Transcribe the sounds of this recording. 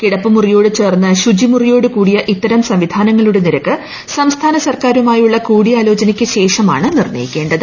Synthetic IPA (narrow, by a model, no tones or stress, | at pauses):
kiɽɐpːɨmurijo̞ːɽɨt͡ɕe̞ːrnːɨɕud͡ʑimurijo̞ːɽɨkuːɽijɐʔit̪ːɐɾɐmsɐmʋid̪ʱaːnɐŋːɐɭuɽeniɾɐkːɨ | sɐmst̪ʰaːnɐsɐrkaːɾumaːjuɭːɐkuːɽijaːlo̞ːt͡ɕɐnikʲːɨɕe̞ːʂɐma̰ːɳɨnirnɐ̰jikʲːe̞ːɳɖɐðɨ